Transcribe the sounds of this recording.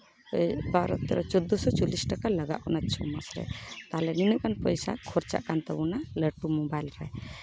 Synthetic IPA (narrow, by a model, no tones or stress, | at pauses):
baɾɔ̰t̪ːɛɾɔt͡ʃɔd̪ːɔsɔt͡ʃɔlisʈakaləɡa̰ʔɔnat̪̚t͡ʃʰɔmasɾɛ̰t̪alɛninəʔkanpəjsa̰kʰɔɾt͡ʃa̰ʔkant̪abunaləʈumɔbajlɾɛ̰